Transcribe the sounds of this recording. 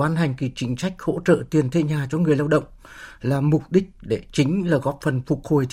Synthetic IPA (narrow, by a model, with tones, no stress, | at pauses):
aː˨˦nɦa˨˩jŋ̟ki˧˨˩t͡ɕï˨˦ŋ̟t͡ɕa˦˥jk̟̚ho̰˧˥t͡ɕə̰ː˧˨t̪i˨˩ənt̪ʰe˧ɲaː˨˩t͡ɕɔ˧˦ŋɨ˨˩əjlaː˧wɗə̰˧˨wŋ͡m | laː˨˩mʊ˨˩k͡p̚ɗï˦˥k̚ɗe˧˩t͡ɕï˨˦ŋ̟laː˨˩ɣɔ˦˥p̚fə˨˩nfʊ˨˩k͡p̚ho˨˩j